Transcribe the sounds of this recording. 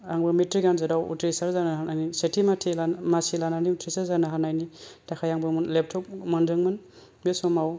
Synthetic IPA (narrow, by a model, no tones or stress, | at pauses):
aŋbɯmetɾiɡanzadawṵtɾisaɾzanaɦanajnisetʰimatʰilamasilananiutɾisaɾzanaɦanajnitakʰajaŋbɯmlep̚tʰɔk̚mɯndɯŋmɯn | mesɔmaw